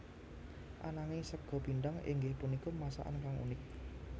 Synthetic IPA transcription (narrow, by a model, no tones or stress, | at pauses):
ʔanaŋɪsəɡ̥ɔ̤biɳɖaŋɪ̰ŋɡehpunikɔmasa̰ʔa̰nkaŋṵnɪk̚